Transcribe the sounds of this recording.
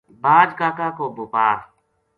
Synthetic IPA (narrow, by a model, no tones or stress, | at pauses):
baːd͡ʒkakakobʊpaː